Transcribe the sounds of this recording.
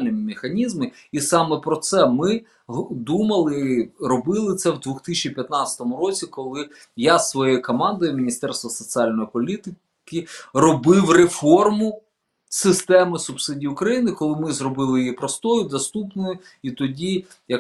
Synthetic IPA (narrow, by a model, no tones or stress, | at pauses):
lʲnɪmʲɪmexɐnʲizmɪisɑmɛpɾɔt̪sɛmɪ | ɦd̪umɐlˠɪɾɔbɪlˠɪt̪sɛwd̪ʋuxt̪ɪt͡ʃʲipʲjɐt̪nɑt͡sʲɐ̥t̪ɔmʊɾɔt͡sʲikɔlˠɪ | jasʋɔjejikɔmɑnd̪ɔjʊmʲinʲist̪ɛrst̪ʋɐsɔt͡sʲiɑlʲnɔjipɔlʲit̪ɪ | kɪrɔbɪwrefɔrmʊ | sɪst̪ɛmɪsʊpsɪdʲijʊkɾɐjinɪkɔlˠɪmɪzrɔbɪlˠɪjijipɾɔst̪ɔjʊd̪ɔst̪upnɔjʊit̪ɔdʲi | jɐ